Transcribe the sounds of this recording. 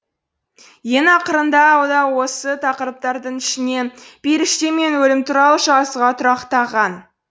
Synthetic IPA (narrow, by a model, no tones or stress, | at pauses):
je̞nɑqəɾənd̪ɑːwd̪ɑwo̞sət̪ʰɑqəɾəp̚t̪ɑɾd̪əɴɪʃɪne̞b̥eɾɪʃt̪e̞me̞nwɵlɪmt̪ʰuɾɑlˠəʃɑsəʁɑt̪ʰʊɾɑqt̪ɑʁɑn